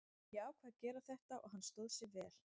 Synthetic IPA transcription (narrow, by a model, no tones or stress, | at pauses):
jɛaːwkʰvaːðcɛːɾaθɛht̪aʔɔ̰ɣɦanst̪oːðsjɛɣvɛːl̥